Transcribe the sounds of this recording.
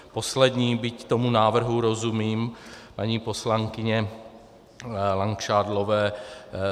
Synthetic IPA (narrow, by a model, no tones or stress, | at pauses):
po̞slɛd̪ɲiːbɪct̪omunaːvr̩ɦuɾo̞zumiːmpaɲiːpo̞slaŋkɪɲɛ | laŋkʃaːdlovɛː